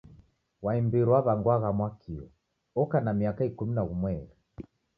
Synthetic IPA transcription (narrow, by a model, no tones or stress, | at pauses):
waimbiɾwaβaŋɡwaɣamwakʰiɔ̰ | ɔkanamiakaikuminaɣumwɛɾi